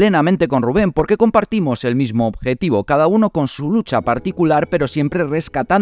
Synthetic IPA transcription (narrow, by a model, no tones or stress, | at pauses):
le̞namẽ̞nt̪e̞ko̞nruβ̞e̞mpo̞ɾke̞ko̞mpaɾt̪imo̞se̞lmizmoːbxe̞t̪iβ̞o̞kað̞auno̞ko̞nsulut͡ʃapaɾt̪ikulaɾpe̞ɾo̞sje̞mpɾe̞re̞skat̪a